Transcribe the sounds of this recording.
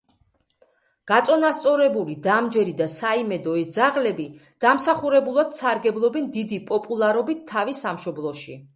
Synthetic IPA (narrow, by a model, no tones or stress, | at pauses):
ɡ̥at̪sʼɔnast̪sʼɔɾɛbulid̪amd͡ʒɛɾid̪asaimɛd̪ɔɛsd̪zaʁlɛbid̪̥amsaχuɾɛbulˠad̪̥saɾɡɛblˠɔbɛnd̪id̪ipʼɔpʼulˠaɾɔbit̪ʰːavisamʃɔblˠɔʃi